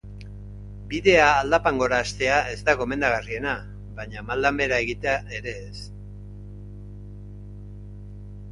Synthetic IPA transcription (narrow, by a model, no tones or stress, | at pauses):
biðe̞aːld̪apaŋɡo̞ɾaːst̪e̞aʔe̞zt̪aɣo̞me̞nd̪aɣ̞arie̞na | baɲamald̪ambe̞ɾae̞ɣit̪eaʔe̞ɾe̞ːs